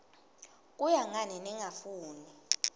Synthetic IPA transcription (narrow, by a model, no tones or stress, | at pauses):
k̬ʼujaŋanɛniŋafuːni